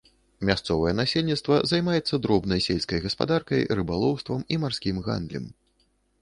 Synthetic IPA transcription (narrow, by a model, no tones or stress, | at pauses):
mʲast̪sɔvɐjɛnasʲelʲnʲit̪st̪vɐzajmajɛt̪sːɐd̪ɾɔbnɐjsʲelʲskɐjɣɐspa̰d̪arkɐjrɨbalˠɔwst̪vɐmimarsʲkʲimɣa̰nd̪lʲɐ̰m